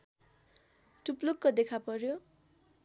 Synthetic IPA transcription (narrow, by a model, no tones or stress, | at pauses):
ʈuplokːʌd̪ekʰapʌɾjo